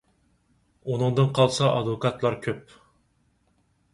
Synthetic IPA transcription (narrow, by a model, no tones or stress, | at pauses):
unɨŋd̪ɨnqʰɑlˠsɑʔɑd̪vokʰɑt̪lˠɑɾkʲʰøp̚